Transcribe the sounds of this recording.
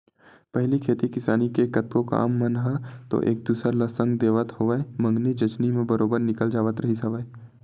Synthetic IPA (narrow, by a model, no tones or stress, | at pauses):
pɛɦlikʰeːt̪ikɪsaːnikekɐt̪̚koka̰ːmːɐnɦat̪o̰ʔḛːk̚d̪uːsɾaləsə̃ŋɡd̪eːʋət̪ɦoʋəemɐ̃ŋɡnid͡ʒɐt͡ʃnimẽbɐɾoːbəɾnɪkəld͡ʒaːʋət̪ɾɐɦisɐʋe